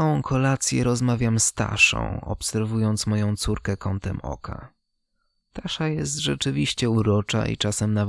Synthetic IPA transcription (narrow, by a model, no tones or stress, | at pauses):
awɔ̃w̃kʰɔlat̪sʲjɛ̰ɾɔzmavʲjamst̪a̰ʂɔ̰̃w̃ɔ̰psɛɾvujɔnt̪smɔjɔ̃w̃t̪suɾkɛkɔnt̪ɛmɔ̰kʰa̰ | t̪aʂajɛst̪ʐɛt͡ʂɘvʲiɕt͡ɕɛuɾɔt͡ʂa̰ḭt͡ʂasɛmnav